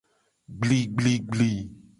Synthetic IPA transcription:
ɡ͡bli˦ɡ͡bli˦ɡ͡bli˦

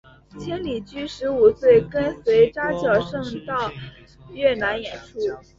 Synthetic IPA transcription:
t͡ɕʰjɛ˥nli˨˩t͡ɕy˥ʂɻ̩˧˥u˨˩swe˥˩ɪkə˥nswe˧˥ɪʈ͡ʂa˥t͡ɕjɑ˨˩ʊʂɤ˥˧ŋt̪ɑ˥˧ʊ | ɥɛ˥˩na˧˥njɛ˨˩nʈ͡ʂʰu˥

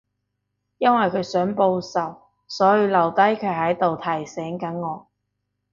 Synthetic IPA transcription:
jɐ˥nwɐ˨jkʰɵ˨˧ɥsœː˨˥ŋpo˧wsɐ˨˩w | sɔː˨˥jiː˨˧lɐ˨˩wt̪ɐ˥jkʰɵ˨˧ɥhɐ˨˥jt̪o˨wt̪ʰɐ˨˩jsɛː˨˥ŋkɐ˨˥nŋɔː˨˧˥

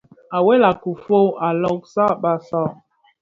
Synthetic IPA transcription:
a˨wɛ˦la˨ku˨fo˦a˨lɔ˦˨k̚sa˦ɓa˦sa˦˨

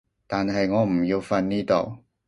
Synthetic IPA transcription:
t̪aː˨nɦɐ˨jŋɔː˨˧m̩˨˩ji˧wfɐ˧nniː˥t̪o˨˧w

